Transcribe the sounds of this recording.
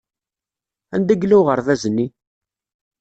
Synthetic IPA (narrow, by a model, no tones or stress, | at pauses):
ænd̪æɡlæwʁəɾθæzənːi